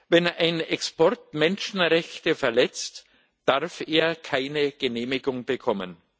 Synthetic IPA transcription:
vɛnaɪnɛkspɔɐtmɛnʃn̩ʁɛçtəfɛɐlɛt͡st | d̥aʁfeːɐkʰaɪnəɡ̥əneːmɪɡʊŋbəkʰɔmə̰n

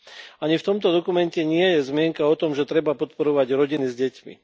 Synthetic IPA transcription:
aɲift̪ɔmt̪ɔd̪ɔkumɛncɛɲɪɛjɛzmɪɛŋkaɔt̪ɔmʒɛt̪ɾɛbapɔt̪pɔɾɔʋaɟɾɔɟinizɟɛcmḭ

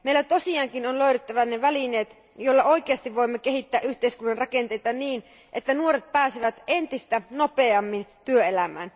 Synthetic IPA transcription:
meilæt̪o̞siɑːŋkinonløyɾet̪ːæʋæneʋælineːt̪ | jolːɑo̞ikeɑst̪iʋʋo̞imːekeɦit̪ːæːʔyht̪eiskunːɑnrɑkent̪ejt̪ɑniːn | ʔet̪ːænuoɾet̪̚pæːsiʋæt̪ent̪ist̪ænopeɑmːint̪yøelæmæ̰ːn

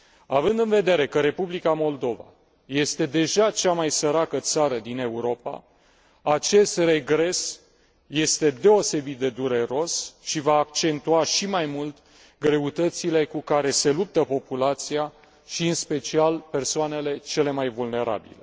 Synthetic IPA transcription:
avɨnd̪ɨnve̞d̪e̞ɾe̞kəɾe̞publikamo̞ld̪o̞va̰ | je̞st̪e̞d̪e̞ʒat͡ʃamajsəɾakət̪saɾəd̪ine̞uɾo̞pa̰ | at͡ʃe̞st̪re̞ɡɾe̞s | je̞st̪e̞d̪e̞o̞se̞bit̪̚d̪e̞d̪uɾe̞ɾo̞sʃivaːk̚t͡ʃe̞nt̪uaʃimajmult̪ | ɡɾe̞ut̪ət̪sile̞kukaɾe̞se̞lup̚t̪əpo̞pulat̪sija | ʃiɨnspe̞t͡ʃialpe̞rsoane̞le̞t͡ʃe̞le̞majvulne̞ɾa̰bḭle̞

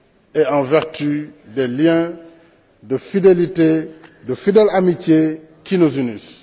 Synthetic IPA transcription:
eɑ̃vɛʁtydɛljɛ̃ | dəfidelitedəfidɛlamitje | kinuzynis

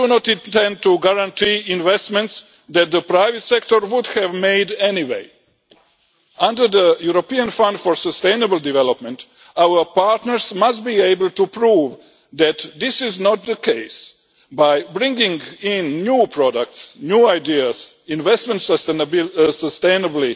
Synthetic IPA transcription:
dunɔtitɛ̃n̚t̪uɡaɾãntʰiĩnʋɛst̪mɛ̃nt̪s | d̪ɛt̪̚d̪əpɾajʋɛt̪sɛkt̪oɾʋud̪hɛvmeɪdɛniwḛj | ãndəɾd̪əjuɾopiãnfãnd̪fɔɾsəst̪ẽjnəbəlˠd̪iʋɛlopmɛ̃nt | awəpaɾt̪nəɾsmastbiːeɪbəl̩ˠtupɾuːʋ | d̪æt̪d̪ɪsɪznɔt̪̚d̪əkʰeɪs | bajbɾĩŋɡĩŋɡĩnːjuːpʰɾɔdak̚t̪snjuːajdiasĩnʋɛstmɛ̃nt̪səsbsəst̪ẽjnəbli

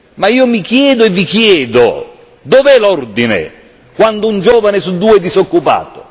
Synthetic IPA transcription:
maiːomikjɛːd̪ʊɛvːikjɛːd̪o | d̪ovɛlɔrd̪inḛ | kwand̪oʊund͡ʒɔːvanɪsud̪ːuːɛd̪isokːupa̰ːt̪ʊ̥̰

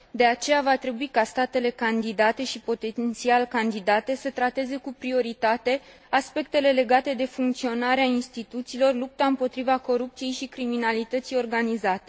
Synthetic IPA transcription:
d̪e̞at͡ʃe̞javat̪ɾe̞buikast̪at̪e̞le̞kand̪id̪at̪e̞ʃipo̞t̪ent̪sialkand̪id̪at̪e̞sət̪ɾat̪e̞ze̞kupɾio̞ɾit̪at̪e̞ | aspe̞k̚t̪e̞le̞le̞ɡat̪e̞d̪e̞fuŋkt̪sio̞naɾeainst̪it̪ut̪siːlo̞rlup̚t̪aɨmpo̞t̪ɾivako̞ɾup̚t̪sije̞jʃikɾiminalit̪ət̪sijo̞rɡanizat̪e̞

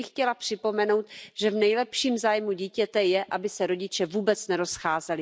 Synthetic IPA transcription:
ɪxcɛlapr̝̥ɪpo̞mɛno̞wt̪ʒ̥ɛvnɛjlɛpʃiːmzaːjmuɟiːcɛt̪ɛjɛʔabɪsɛɾo̞ɟɪt͡ʃɛvuːbɛt͡snɛɾo̞sxaːzɛlɪ

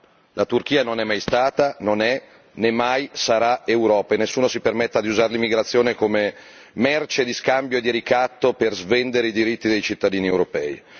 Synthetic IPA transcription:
lat̪urk̟iːanonɛmːajst̪aːt̪anonɛ | nemːajsaɾaewɾɔːpaenesːuːnosipermet̪ːad̪iuzaɾelimːiɡɾat̪sːjoːnekome | mɛrt͡ʃed̪iskambjoed̪iɾikat̪ːoperzvend̪eɾeid̪iɾit̪ːid̪ejt͡ʃit̪ːad̪iːniewɾopɛːj̰

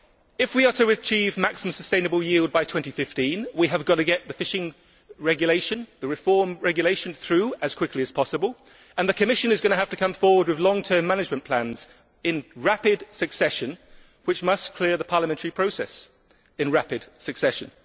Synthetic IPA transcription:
ɪfwiəɾʰəɨt͡ʃʰivmaksɪmə̃msəstẽɪ̃nəbəlˠjilˠd̚baɪtʰw̥ɛ̃ntifɪftĩnwiəvɡɒɾəɡɛʔ̪̚ðəfɪʃɪ̃ŋ | ɹɛɡjəleɪʃə̃nðəɹɪfɔːmɹɛɡjəleɪʃə̃nθɹʉːəz̥kʰw̥ɪkʰliəz̥pʰɒsəbəlˠ | ə̃nðəkʰəmɪʃɨ̃nɨzɡʌñəɦaftəkʰʌ̃ɱfɔːwəd̚wɨðlɒ̃ŋtʰɜ̃˞mːænɪd͡ʒmə̃npʰl̥æ̃nz̥ | ɪ̃nɹapɪd̥sɨksɛʃə̃n | wɨt͡ʃmʌskʰl̥ɪəðəpʰɑːləmɛ̃ntʰəɹipʰɹ̥oʊsɛ̰s | ɪ̃nɹapɪd̥sɨksɛʃə̃n

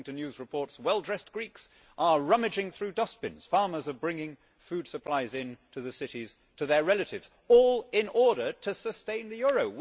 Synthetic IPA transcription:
ŋtʰɨ̃njʉzɹɨpʰɔɹtswɛlˠdɹɛsɡ̥ɹiks | ʔə˞ɹʌmɨd͡ʒɪ̃ŋθɹʉdʌspɨ̃nz̥fɑɹmə˞zə˞bɹɪ̃ŋɪ̃ŋ | fʉd̥səpʰl̥aɪzɪ̃ntʰɨðɨsɪɾiz̥ | tʰɨðə˞ɹɛlˠɨɾɨvz̥ | ɔlˠɪ̃nʔɔɹɾə˞ɾɨsɨstẽɪ̃nðɨjʊɹoʊw

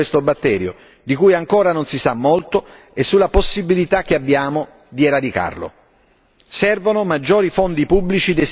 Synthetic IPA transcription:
est̪obat̪ːɛːɾjo̰ | d̪ikuːjaŋkoːɾanonsisamːolt̪o | esːulːaposːibilit̪ak̟ːeabːjaːmo | d̪ieɾad̪ika̰rlo̰ | sɛrvonomad͡ʒːoːɾifond̪ipubːlit͡ʃid̪es

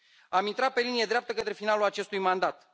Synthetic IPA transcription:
amint̪ɾat̪̚pe̞linijed̪ɾeapt̪əkət̪ɾe̞finalulat͡ʃe̞st̪ujmand̪at̪

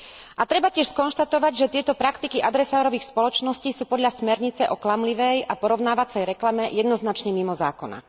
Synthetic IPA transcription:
ʔat̪ɾɛbacɪɛʃskɔnʃt̪at̪ɔʋaɟʒɛt̪ɪɛt̪ɔpɾakt̪ikiʔad̪ɾɛsaːɾɔʋiːxspɔlɔt͡ʃnɔsciːsuːpɔd̪ʎasmɛɾɲit͡sɛʔɔklamliʋɛjʔapɔɾɔʊnaːʋat͡sɛjɾɛklamɛjɛd̪nɔznat͡ʃɲɛmimɔza̰ːkɔna̰

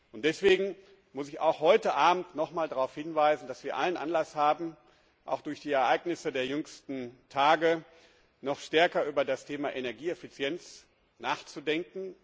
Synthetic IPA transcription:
ʔʊnt̚d̥ɛsv̥eːɡŋ̩ | mʊsɪça̰ʊxhɔʏtəʔaːbm̩tnɔχmaːldaʁaʊfhɪnvaɪzn̩d̥asv̥iːɐʔalənʔa̰nlashaːbm̩ | ʔa̰ʊxd̥ʊɐçd̥iːɛɐʔaɪɡnɪsədeːɐjʏŋstn̩tʰaːɡə | nɔχʃtɛɐkɐʔyːbɐdastʰeːmaʔenɛɐɡiːɛfit͡sjɛnt͡s | naːχt͡sudɛŋkŋ̩

